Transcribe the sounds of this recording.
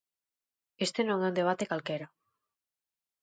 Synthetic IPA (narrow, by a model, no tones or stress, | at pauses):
est̪enõŋɛũnd̪eβ̞at̪ekalkeɾa